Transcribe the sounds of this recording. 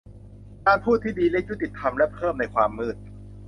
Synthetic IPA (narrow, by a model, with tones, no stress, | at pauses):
kaː˧npʰuː˥˩t̪ʰːiː˥˩diː˧lɛ˦˥k̚ju˥t̪i˨˩t̪ʰːa˧mlɛ˦˥ʔpʰɤː˥˩mna˧jkʰwaː˧mːɯː˥˩t̪̚